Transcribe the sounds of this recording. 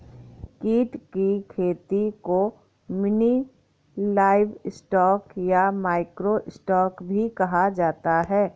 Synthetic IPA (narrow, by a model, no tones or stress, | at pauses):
kiːʈkikʰeːt̪iko | mɪni | laːɪʋsʈɔːkjamaːɪkɾoʔɪsʈɔːkbʱikɐɦad͡ʒaːt̪aɦɛː